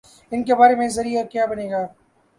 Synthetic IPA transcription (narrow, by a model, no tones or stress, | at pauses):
ɪnkebaːɾemẽzɐɾiɔɾkjaːbɐneːɡaː